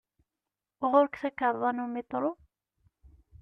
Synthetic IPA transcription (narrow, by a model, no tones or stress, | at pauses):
ʁʊɾkθækaɾˤðˤɑnumit̪ˤɾˤu